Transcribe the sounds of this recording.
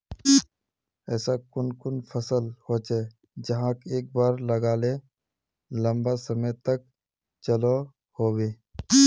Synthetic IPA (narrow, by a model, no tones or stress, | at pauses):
ɛːsakʊnkʊnpʰəsəlhoːt͡ʃe | d͡ʒɐɦãkeːk̚baːɾlɐɡaːle | lə̃mbasəmət̪ək̚ | t͡ʃəlo | hoːweː